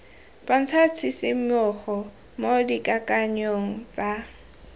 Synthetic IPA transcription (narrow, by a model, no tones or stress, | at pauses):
pʼan̩t͡sʰat͡sʰisɪmʊχɔ | modikʼakʼaɲoŋ̩t͡sʼa